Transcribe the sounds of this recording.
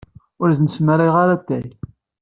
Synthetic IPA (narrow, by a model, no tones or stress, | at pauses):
ʊɾznəsməɾiʁaɾat̪ːæj